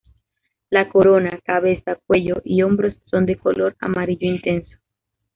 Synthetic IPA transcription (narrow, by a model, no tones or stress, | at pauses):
lako̞ɾo̞nakaβe̞sak̚we̞ʎoʔio̞mbɾo̞sːo̞nd̪e̞kolo̞ɾa̰maɾiʝoint̪e̞nso̥